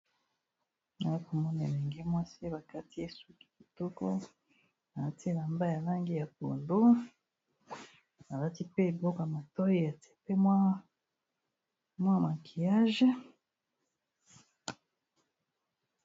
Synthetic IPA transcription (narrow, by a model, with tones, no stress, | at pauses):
na˨i˦ko˨mɔ˦n˨e˨mi˨ŋɡe˦mwa˦si˦ba˨ka˦ti˦e˦su˦ki̥˨ki˨tɔ˦kɔ˦ | na˨la˦ti˦˨la˨mba˦ja˨la˦ŋɡi˦ja˨po̰˨ndo˦ | na˨la˦ti˦pe˦e˨bo˦ka˨ma˨tɔ˦ji˦a˨te̥˦pe˦mwa˦ | mwa˦ma˨kʰi˨ja˦ʒe˦